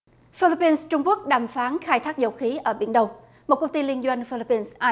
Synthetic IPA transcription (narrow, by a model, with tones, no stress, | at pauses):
fi˧li˦˥pːi˧nst͡ɕʊ˧ŋ͡mku˦˥ək̚ɗaː˨˩mfaː˨˦nxaː˧jt̪ʰaː˦˥k̚zə˧˩wxi˨˦ʔəː˧˩ɓḭ˧˩ənɗə˧w | mo˨˩t̚kə˧wŋ͡mt̪i˧li˧ənzwa˧jŋ̟fi˧li˦˥pːi˧nsʔaː˧